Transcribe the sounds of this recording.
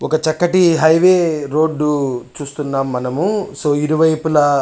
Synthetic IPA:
ɔkɐt͡ʃɐkːɐʈiɦɐjʋe̞ːɾo̞ːɖːut͡ʃuːst̪unːaːmːɐnɐmuso̞ːiɾuʋɐjpulɐ

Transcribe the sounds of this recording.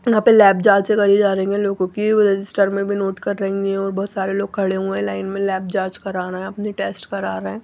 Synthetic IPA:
jɐɦãːpelɛːbd͡ʒaːd͡ʒekɐɾid͡ʒaːɾɐĩŋɡɛ̃loːɡõkiɾɛd͡ʒɪsʈəɾmẽbʱinoːʈkɐɾːɐɦŋɡiɛ̃ɔːɾbɔːʊt̪saːɾeloːɡ̚kʰɐɽeɦuẽlaːɪnmẽlɛːb̚d͡ʒaːd͡ʒkɐɾaːnaɦɛ̃ɐpniʈeːsʈkɐɾaːɾaɦɛ̃ː

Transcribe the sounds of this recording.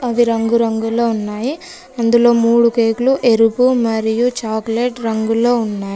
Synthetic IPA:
ɐʋiɾɐŋɡuɾɐŋɡulo̞ːunːaːji | ɐnd̪ulo̞ːmuːɽukeːkluʔe̞ɾupumɐɾijut͡ʃaːkleʈɾɐŋɡulo̞ːunːaːji

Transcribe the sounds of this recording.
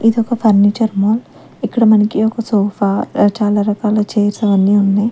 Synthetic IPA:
id̪ɔkɐpʰɐɾnit͡ʃɐɾmoːl | ikːɐɽɐmɐnɐkiɔkɐsoːfaːt͡ʃaːlaːɾɐkaːlɐt͡ʃeːɾsɐʋɐnːiːunːaj

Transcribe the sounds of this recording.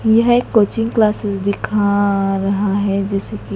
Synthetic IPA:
jɐɦeːkːoːt͡ʃɪ̃ŋɡklaːsɪsd̪ɪkʰaɾɐɦaɦɛd͡ʒɛːseki

